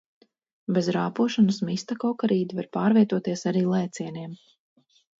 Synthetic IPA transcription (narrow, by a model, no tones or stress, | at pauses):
bezɾaːpuɔʃanɐsmist̪akɔwkaɾiːd̪avaɾpaːɾvʲiɛt̪uɔt̪iɛsaɾiːlˠɛːt̪siɛniɛm